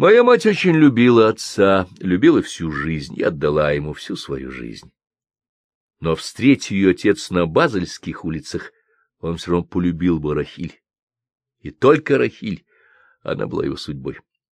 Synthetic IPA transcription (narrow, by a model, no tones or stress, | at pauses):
mɐjamatʲot͡ɕɪnʲlʲʊbʲilˠəɐt̪salʲʊbʲilˠəfsʲuʐɨzʲnʲɪ̰ɐd̪ːɐlˠajɪmufsʲusvɐjṵʐɨ̰zʲnʲ | nofst̪ɾʲetʲjɪjoɐtʲe̞t̪snəbazəlʲskʲɪxulʲɪt̪səx | onfsʲorɐvnopəlʲʊbʲilˠbɨɾɐxʲilʲ | ɪt̪olʲkəɾɐxʲilʲ | ɐ̰na̰bɨ̰lˠa̰jɪ̰vo̞̰sʊdʲbo̞̰j